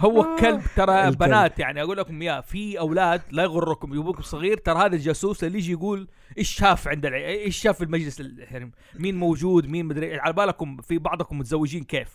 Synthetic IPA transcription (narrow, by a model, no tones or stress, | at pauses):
hʊwːakːalbt̪ɑɾˤɑbanaːt̪jaʕniʔaɡuːlːakʊmjaːfiʔawlaːd̪lajɣʊrˤːʊkʊmjʊbukʊmsˤɨɣiːɾt̪ɑɾˤɑhaːðald͡ʒasuːslalːiːd͡ʒjɡuːl | ʔɪʃːaːfʕɪnd̪alʕʔɪʃːaːfɪlmad͡ʒlɪsalħaɾim | miːnmowd͡ʒuːd̪miːnmʊd̪ɾiːʔɪlʕalbaːlakʊmfibɑʕd̪ˤkʊmːʊt̪zawːɪd͡ʒiːnkeːf